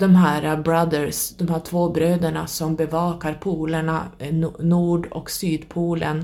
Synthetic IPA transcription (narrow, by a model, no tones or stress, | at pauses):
d̪̥ɔmɦæːɾabɾad̪əɾsd̪̥ɔmhæːʈʰvoːbɾøːd̪əɳasɔmbɛvɑːkaɾpʰuːlaɳanuːɖɔ̰ksyːd̪pʰuːlən